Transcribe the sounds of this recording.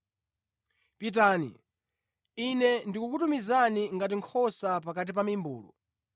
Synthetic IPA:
pit̬aːnḭ | inɛndikukutumizaniŋɡat̬iŋkʰɔsapakat̬ip̬amimbṵːlṵ

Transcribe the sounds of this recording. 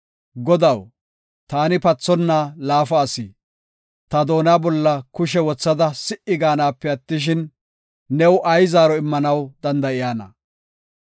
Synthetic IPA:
ɡɔd̪ɐw | t̪aːnɪpɐt͡sːɔnːaːlaːfɐːsiː | t̪ɐd̪o̞ːnaːbɔlːɐkʊʃɛwɔt͡sːɐd̪ɐsɪʔɪɡaːnaːpːɛɐt̪ːɪʃ̬ɪnː | ɛwʔɐjzaːɾɔɪmːɐnɐwd̪ɐnd̪ɐʔɪjaːnɐ̰

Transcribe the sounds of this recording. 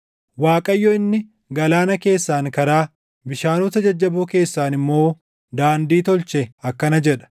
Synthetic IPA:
waːkʼɐjːɔːɪnːɪ | ɡɐlaːnɐke̞ːsːaːŋkɐɾaː | bɪʃaːnuːt̪ɐd͡ʒɐd͡ʒːɐboːke̞ːsːaːnɪmːo̞ː | d̪aːnd̪iːt̪ɔlt͡ʃɛɐkːɐnɐd͡ʒɛᶑɐ̥

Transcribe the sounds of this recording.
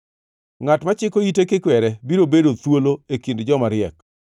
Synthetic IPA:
ŋatmat͡ʃɪkoitekekwɛɾɛbiɾobedot̪woloekindd͡ʒɔmaɾɪɛk

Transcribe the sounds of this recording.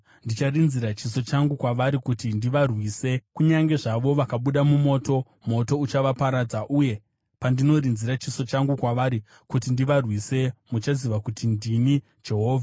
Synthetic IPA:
ndit͡ʃarinziɾat͡ʃiso̞t͡ʃaŋɡukwaʋaɾikutindiʋarwise̞kuɲaŋɡe̞ʐaʋo̞ʋakaɓuɗamumo̞ːto̞ | mo̞to̞ut͡ʃaʋapaɾad͡zaʔuːje̞ | pandino̞rinziɾat͡ʃiso̞t͡ʃaŋɡukwaʋaɾi | kutindiʋarwise̞mut͡ʃaziʋakutindini | d͡ʒe̞ɦo̞ːvʱa

